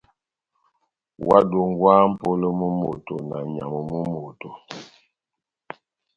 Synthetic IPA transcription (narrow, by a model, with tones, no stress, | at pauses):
wʔa̰˦do˨ŋ˦ɡwaː˦m̩˦po˦lə˦mu˦mo˨to˨na˨ɲa̰˨mə˨mu˦mo˨to˨